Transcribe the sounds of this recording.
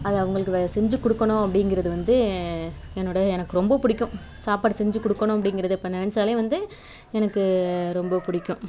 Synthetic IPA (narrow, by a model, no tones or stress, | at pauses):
ɐðɐʋɐŋɡɐɭɯkːɯsɛɲd͡ʒɯkɔɽɯkːɐɳʊ̃ɐpːɐɽɪŋɡɪɾɐðɯʋɐnd̪ɯ | ɛnːoːɽɐɛnɐkːɯɾɔmbɐpʊɽɪkːʊ̃m | saːpaːɽsɛɲd͡ʒɯkɔɽɯkːɐɳʊ̃ɐpːɐɽɪŋɡɪɾɐðɯɪpːonɪnɐt͡ʃːaːleːʋɐnd̪ɯ | ɛnɐkːɯɾɔmbɐpʊɽɪkːʊ̃m